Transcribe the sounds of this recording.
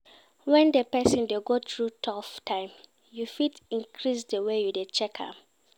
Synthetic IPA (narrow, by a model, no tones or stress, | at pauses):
wɛ̃ndepɛsĩndeɡotɹutʰɔftʰãɪ̃m | jufitĩŋkʰɹisdəwejudet͡ʃɛkʰa̰